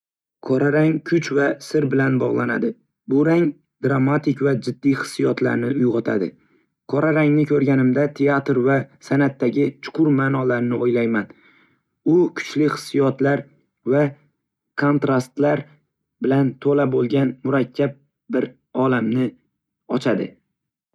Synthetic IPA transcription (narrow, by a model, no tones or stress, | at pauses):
kʰɒɾaɾaŋkʰʊt͡ʃvasɪɾbɪlanbɒʁlˠana̰d̪ɪ | bʊɾaŋ | d̪ɾamːat̪ʰɪkʲvad͡ʒɪd̪ːijχɨ̥sːijɒt̪ʰla̰ɾnɪʊjʁɒt̪ʰa̰d̪ɪ | kʰɒɾaɾaŋnɪkʲʰɵɾɡʲanɪmd̪at̪ʰeat̪ɾvasanat̪ːaɡʲɪt͡ʃʰʊ̥qʰʊɾmaːnɒlaɾnɪojlajman | ʊkʰʊ̥t͡ʃlɪχɨ̥sːijɒt̪laɾ | va | kʰo̞nt̪ɾast̪laɾ | bɪlant̪ʰolabolˠɡʲanmʊɾakʲʰːap̚ | bɪɾ | ɒlamnɪ | ɒt͡ʃʰad̪ɪ̰